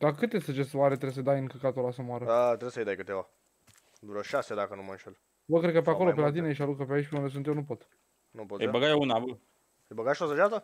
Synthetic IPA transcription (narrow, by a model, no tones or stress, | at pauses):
d̪̥akɨt̪jest̪at͡ʃest̪waɾet̪ɾes̬əd̪ajɨŋkəkat̪olasomoaɾəat̪ɾesəjd̪ajkɨt̪eva | d̪uɾəʃased̪akənumənʃel | bəkɾe̞d̪kəpeapo̞lopelat̪̬ineʃialukəpeait͡ʃpeund̪es̬unt̪jewnupo̞t̪ | nupot̪əjbəɡajounabə | əjbəɡaʃosəʒat̪ə